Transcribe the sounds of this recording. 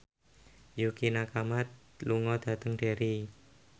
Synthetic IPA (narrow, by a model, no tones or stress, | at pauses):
jukinakamat̪̚ | luŋɔd̪̥ä̤t̪əŋɖ̥e̤ɾi